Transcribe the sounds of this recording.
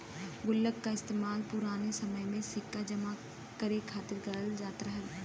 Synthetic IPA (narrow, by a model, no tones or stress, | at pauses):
ɡʊlːəkːaɪst̪eːmaːlpʊɾaːnesɐməjmẽsɪkːad͡ʒəma | kəɾekʰaːt̪ɪɾɡɐɾəld͡ʒaːt̪ɾəɦɛ